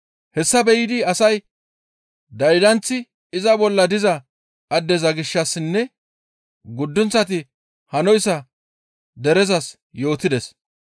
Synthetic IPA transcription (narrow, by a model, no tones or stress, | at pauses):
hɛsːɐbɛjɪd̪ɪɐsɐj | d̪ɐjd̪ɐnt͡sːɪ | ɪzɐbɔlːɐd̪ɪzɐ | ɐd̪ːɛzɐɡɪʃːɐsːɪnːɛ | ɡʊd̪ːʊnt͡sːɐt̪̬ɪ | hɐnɔjsɐ | d̪ɛɾɛzɐs | jo̞ːt̪ɪd̪ɛs